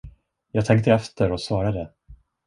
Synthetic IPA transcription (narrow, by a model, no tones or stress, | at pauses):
jɑːɡt̪ʰɛŋk̚t̪əɛft̪əɾɔsvɑːɾad̪ə